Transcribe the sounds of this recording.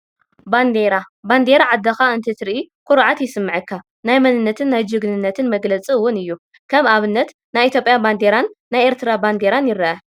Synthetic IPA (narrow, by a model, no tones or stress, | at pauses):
band̪eɾa | band̪e̞ɾaʕad̪ːɐxaɨnt̪ʰɐt̪ʰɨɾʔikʰʷʼʊɾʕat̪jɪsɨmːɨʕɨkʰːa | najmɐnɨnːɐt̪ʰɨnːajd͡ʒɨɡnɨnːɐt̪ʰɨnmɐɡlɐt͡sʼiɨwʊnɨjːu | kʰɐβaβɨnːɐt̪ | najʔit̪jo̞pʼjaband̪e̞ɾanːajʔeɾt̪ʰɨɾaband̪eɾanjɪɾɐʔɐ